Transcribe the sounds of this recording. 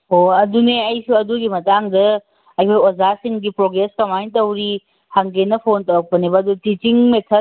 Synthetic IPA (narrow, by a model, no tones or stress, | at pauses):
ɦoɐduneɐjsuɐduɡimɐtaŋdɐ | ɐjkʰojozasiŋɡipɾoɡɾeskɐmajntɐwɾi | haŋɡenɐpʰontɐwɐk̚pɐnibɐɐdutit͡ʃiŋmetʰɐ